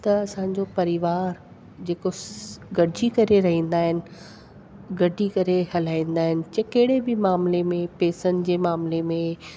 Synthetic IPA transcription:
t̪ɐɐsãːɲ̆d͡ʑopɐɾɪʋaːɾ | d͡ʑeːkoɡɐɖʱikɐɾeɾɐɦĩːn̆d̪aːɦɪnɪ̆ | ɡɐɖʱikɐɾehɐl̤aːĩːnd̪aːɦɪnɪ̆t͡ɕɐkɐɦɪɽebɪmaːmlemẽpeːsənɪ̆d͡ʑeːmaːmlemẽ

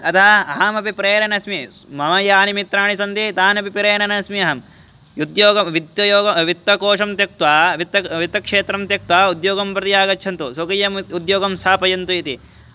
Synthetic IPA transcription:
ɐt̪ʰɐɐɦɐmɐpipɾeːɾɐnɐsmi | mɐmɐjaːnimit̪ɾaːɳisɐnt̪it̪aːnɐpipiɾeːnɐnɐsmiɐɦɐm | jud̪joːɡɐʋit̪ɐjoːɡɐʋit̪ːɐkoːʂɐmt̪jɐk̚t̪ʋaːʋit̪ːɐʋit̪ːɐkʂeːt̪ɾɐmt̪jɐk̚t̪ʋaːud̪joːɡɐmpɾɐt̪ijaːɡɐtːt͡ʃʰɐnt̪usokɐjːɐmud̪joːɡɐmsaːpɐjɐnt̪uit̪i

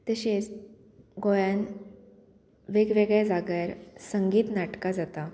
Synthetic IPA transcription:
t̪əɕet͡s | ɡojan | ʋeɡʋeɡɭjad͡zaɡjaɾsəŋɡiːt̪naʈkad͡zat̪a

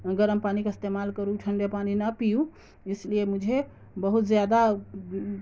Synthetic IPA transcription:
əɡəɾəmpanikeɪst̪emalkəɾuʈʰəɳɖepaninəpijũ | isliemud͡ʒʱe | bəɦut̪zjad̪a

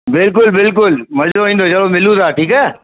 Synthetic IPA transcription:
bɪlk̬ʊlbɪlk̬ʊlmɐd͡ʒoĩːnd̪ot͡ʃɐlomɪlũd̪aːʈʰiːkɛː

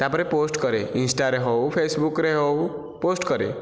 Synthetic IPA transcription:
t̪apəɾeposʈkʌɾeinsʈaɾeɦɔwpʰesbukɾeɦɔw | posʈkʌɾḛ

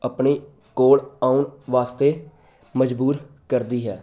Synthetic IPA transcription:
əpɳiː | koːɽaːʊɳʋaːst̪eː | məd͡ʒbuːɾ | kəɾd̪iːɦɛː

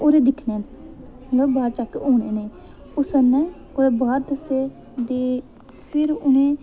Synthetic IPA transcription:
oːɾeːd̪ɪkʰneː | lobaːɾt͡ʃakːeoːɳeːneː | ʊsənɛ̃ː | oːɾeːbaːɾd̪əseː | d̪eː | pʰɪɾʊnẽː

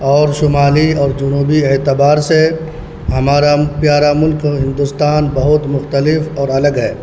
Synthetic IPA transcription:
ɔːɾʃʊmaːliɔːɾd͡ʒʊnuːbieːt̪ɪbaːɾse | ɦɐmaːɾapjaːɾamʊlkɦɪ̃nd̪ʊst̪aːnbɐɦʊt̪mʊxt̪əlɪfɔːɾɐləɡɦɛː

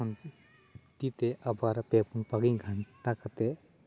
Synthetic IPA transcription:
ɔn | t̪it̪eʔɐbaɾpɛpunpaɡiŋɡʱaɳʈakat̪ɛ

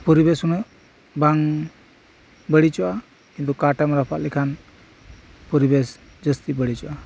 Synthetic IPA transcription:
pɔɾibɛsunəʔ | baŋ | bəɽit͡ʃɔʔa | kĩnt̪ukaʈamɾapʰaʔ̪lɛkʰan | pɔɾibɛs | d͡ʒəst̪ibəɽit͡ʃɔʔa

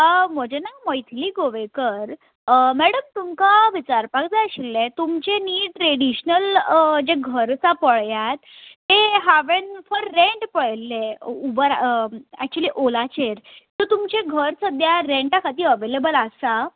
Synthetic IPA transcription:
əm̤əd͡ʑenaməjt̪ʰliːɡoʋekəɾ | mɛɽəmt̪umkaʋit͡ɕaɾpakd͡zaəɕilːet̪umt͡ɕeniːʈɾeɽiɕnəld͡ʑeɡʱəɾt͡sapəɭjat̪ːeɦaʋenfəɾːeɳʈpəɭlːeubəɾæk̚t͡ɕuəliːʔolat͡ɕeɾt̪ɔt̪umt͡ɕeɡʱəɾsəd̪ʱjaɾeɳʈakʰat̪iːəʋelebəlasa

